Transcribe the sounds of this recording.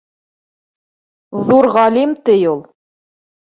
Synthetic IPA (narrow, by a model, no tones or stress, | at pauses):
ðuɾʁɑlimt̪ɘjulˠ